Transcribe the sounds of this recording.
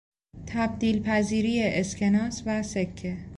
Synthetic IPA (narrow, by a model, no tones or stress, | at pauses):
t̪ʰæb̚d̪iːlpʰæziːɾiːjeʔescʰe̞nɒːsvæsekʰːe